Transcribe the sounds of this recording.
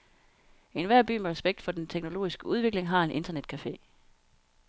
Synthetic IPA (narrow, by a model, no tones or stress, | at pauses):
e̝nʋæɐ̰b̥y̰ːmeʁɛsb̥eɡ̥̚d̥fɒ̽dent͡sʰeɡ̥no̝lo̝̰ːisɡ̥əuð̞ˠʋe̝ɡ̥le̝ŋɦɑ̈e̝nʔe̝nd̥ɐned̥̚kʰæfe̝̰ː